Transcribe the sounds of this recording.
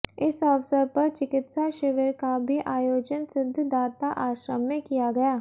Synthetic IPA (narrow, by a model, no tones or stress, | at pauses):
ɪsəʋsəɾpɐɾt͡ʃɪkɪt̪saʃɪʋeɾkabʱiʔaːjoːd͡ʒənsɪd̪ʱːd̪aːt̪aʔaːʃɾəmːẽkijaɡɐjaː